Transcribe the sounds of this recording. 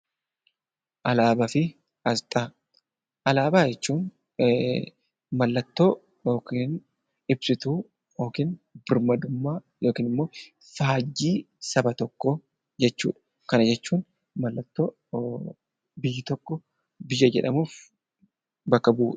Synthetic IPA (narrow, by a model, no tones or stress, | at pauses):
ʔɐlaːbɐfɪ | ɐst̪ʼa | ʔɐlaːbaːd͡ʒɛt͡ʃːuːn | mɐlːɐt̪ːo̞ː | joːkiːn | ɪbsɪt̪uː | joːkiːnbɪɾmɐd̪ʊmːaː | joːkiːnɪmːo̞ː | faːd͡ʒːiː | sɐbɐt̪ɔkːɔ | d͡ʒɛt͡ʃːṵːᶑɐ̥ | kɐnɐd͡ʒɛt͡ʃːuːn | mɐlːɐt̪ːo̞ː | bɪjːɪt̪ɔkːɔ | bɪjɐd͡ʒɛ̰ᶑɐmuːf | bɐkːɐbuːᶑ̥